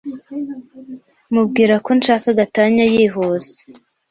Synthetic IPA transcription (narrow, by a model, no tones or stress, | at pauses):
mub̚ɡiːɾako̞nʃaːkaɡataɲajiːɦoz̥e̥